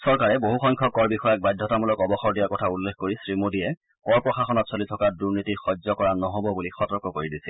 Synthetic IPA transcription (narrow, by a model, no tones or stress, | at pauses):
sɔɹkaɹɛboɦuxɔjŋkʰɔkɔɹbixɔjak̚bajdʱːɔtamulɔkɔbɔxɔɹdijakɔtʰaulːekkoɹisɹimodijɛ | kɔɹpɹɔxaxɔnɔtsolitʰɔkaduɹnitixɔzɔkɔɹanɔɦobɔbulixɔtɔɹkɔkoɹidisɛ